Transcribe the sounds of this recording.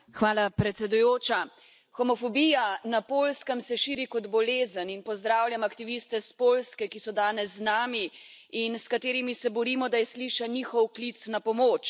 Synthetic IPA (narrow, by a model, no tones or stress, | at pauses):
xʋaːlapɾɛt̪sɛd̪ujoːt͡ʃa | xɔmɔfɔbijanapoːlskəmsɛʃiːɾikɔd̪bɔleːzəninpɔzd̪ɾaːwljamakt̪iʋist̪ɛspoːlskɛkisɔd̪aːnɛzːnaːmi | inskat̪eːɾimisɛbɔɾiːmɔd̪ajɛsliʃaniːxɔwklit̪snapɔmoːt͡ʃ